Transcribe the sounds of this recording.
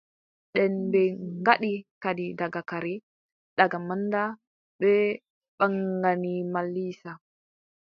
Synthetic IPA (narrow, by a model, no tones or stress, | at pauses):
ɗɛnbɛŋɡaɗikadidaɡakaɾɛ | ɗaɡamanːda | ɓɛ | ɓaŋɡanimalːiːsa